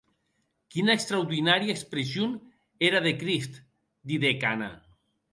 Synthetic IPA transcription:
kinaekst̪ɾawðinaɾjaekspɾesjon | eɾaðekɾist̪ | d̪iðekana̰

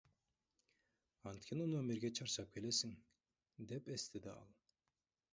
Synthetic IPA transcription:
ɑnt̪̚kʰʲenɪnomeɾɡʲet͡ʃʰɑɾʃɑk̚bele̞siŋ | d̪e̞pest̪ed̪eɑ̰lˠ

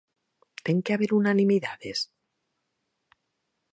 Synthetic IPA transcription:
t̪eŋkeaβeɾunanĩmiðaðe̞s

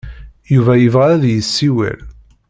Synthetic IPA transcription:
juvæjəvʁææðjəsːiwḭl

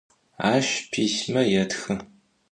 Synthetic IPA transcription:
aːʃpʰiːɕmɐjɛtxɨ

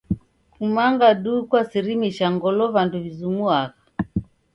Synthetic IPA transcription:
kumaŋɡaɗukwasiɾimiʃaŋɡɔlɔvanduvizumuakḁ

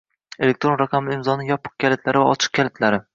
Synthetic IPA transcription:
e̞le̞k̚t̪ɾo̞nɾaqʰɑmɪɪmzɒnɪŋjɒpʰɨ̥q̚kʲʰalɪt̪laɾɪvaɒt͡ʃʰɨ̥q̚kʲalɪt̪ʰlaɾɪ

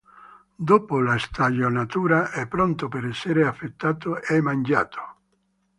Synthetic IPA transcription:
d̪oːpolast̪aʎonat̪uːɾaʔɛpːɾɔnt̪opeɾɛsːeɾeafːet̪ːaːt̪oɛmand͡ʒa̰ːt̪ʰo̥

